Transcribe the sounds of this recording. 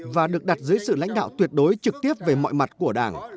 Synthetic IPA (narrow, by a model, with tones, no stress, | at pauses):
vaː˨˩ɗɨ˨˩ək̚ɗa˨˩t̚zɨː˨˦jsɨ̰˧˨la̰˧˥jŋ̟ɗa̰ː˧˨wt̪wi˨˩ət̚ɗo˨˦jt͡ɕɨ˨˩k̚t̪i˦˥əp̚ve˨˩mɔ̰˧˨jma˨˩t̚ku˧˩əɗaː˧˩ŋ